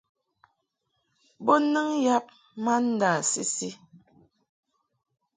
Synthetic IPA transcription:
bo˦nɨ˦ŋja˦p̚ | ma˦n̩˦da˨si˦si˦

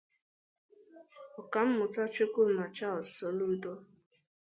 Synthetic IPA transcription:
ɔ˨ka˨m̩˦mʊ˨tɔ˦t͡ʃo˦ku˦˨ma˨t͡ʃa˦ɔ˨sɔ˨lu˦dɔ˦

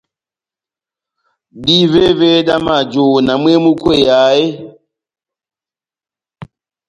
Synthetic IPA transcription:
ɗi˦ve˦ve˦ɗa˦ma˦˨d͡ʒo˨na˨mwe˦mu˦kwe˦˨ja˨˦je˦

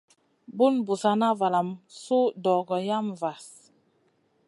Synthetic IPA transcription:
bu˦nbu˨sa˨na˦va˨la˨msu˦dɔ˨ɡɔ˨ja˦mva˨s

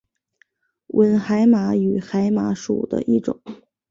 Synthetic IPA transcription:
wʔə˧˥nxa˧˥ɪma˧˥y˨˩xa˧˥ɪma˧˥ʂṵ˨˩d̪ə̰˦ʔi˥˩ʈ͡ʂʊ̰˨˩˦ŋ

